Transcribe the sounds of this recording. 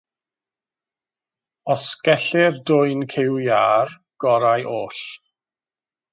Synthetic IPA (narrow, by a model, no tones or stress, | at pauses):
ɔsɡ̥ɛɬɪrdʊɨnkʰewjaːr | ɡ̥ɔɾajʔoːɬ